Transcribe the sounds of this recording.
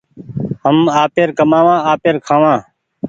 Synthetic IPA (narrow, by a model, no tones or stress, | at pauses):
ɦəmaːpeːɾkəmãːʋãːaːpeːɾkʰãːʋãː